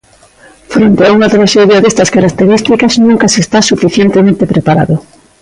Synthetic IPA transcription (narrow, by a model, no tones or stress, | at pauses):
fɾent̪eauŋat̪ɾaʃeðjaðest̪ɐskaɾak̚t̪eɾist̪ikɐznũŋkɐsest̪asufiθjent̪emẽnt̪epɾepaɾa̰ðʊ